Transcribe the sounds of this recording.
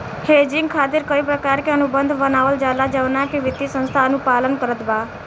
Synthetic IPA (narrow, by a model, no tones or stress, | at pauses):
heːd͡ʒɪ̃ŋɡkʰaːt̪ɪɾkəipɾəkaːɾkeənubənd̪ʱbənaːʋəld͡ʒalad͡ʒəʋnakeʋɪt̪ːisə̃nst̪ʰaənupaːlənkəɾət̪baː